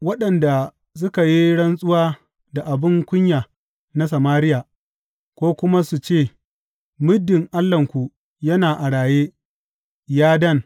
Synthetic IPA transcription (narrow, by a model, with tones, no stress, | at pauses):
wɐ˦ɗɐ˨nda˨ | s̬ʊ˦ka˨ji˦ɽɐ˦nsʼʊ˦waː˦ | da˨ʔa˨bɪ˦ŋkʷʊ˦ɲjaː˨ | na˦sɐ˨maː˦ɾɪ˦ja˨ | kʷoː˦kʷʊ˦ma˦su˨t͡ʃeː˦˨ | mʊ˦dːɪ˨ŋʔa˦lːɐ˨ŋkʷu˨ | jɐ˦naː˨ʔa˨ɽaː˨jeː˦ | jaː˦dɐ˦˨ŋ